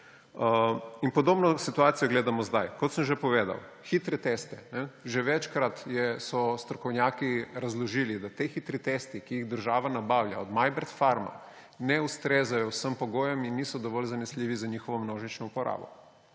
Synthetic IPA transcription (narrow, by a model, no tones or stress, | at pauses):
inpɔd̪oːbnɔsit̪uaːt̪sijɔɡleːd̪amɔzd̪ajkɔt̪səmʒepɔʋeːd̪a̰w | xit̪ɾɛt̪est̪ɛnɛʒeʋɛt͡ʃkɾat̪jɛsɔst̪ɾɔkɔwnjaːkiɾazlɔʒiːlid̪at̪exit̪ɾit̪est̪ikijiɣd̪əɾʒaːʋanabaːwlja̰ɔd̪majbɛɾt̪faɾma̰ | nɛust̪ɾezajɔwsəmpɔɡoːjɛminːisɔd̪ɔʋɔlzanɛslʲiːʋizaɲiːxɔʋɔmnoːʒit͡ʃnɔupɔɾa̰ːbɔ̰